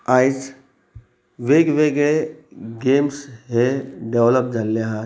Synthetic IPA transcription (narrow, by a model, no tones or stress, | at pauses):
aːɪs | ʋeːɡʋeːɡɭeɡeːmsɦeɖeʋləp̚d͡ʒɐlːeɦã